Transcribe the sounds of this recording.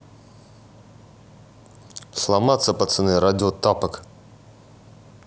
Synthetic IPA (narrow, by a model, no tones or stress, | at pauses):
slˠamat̪səpɐt̪sɨnɨɾadʲɪot̪apək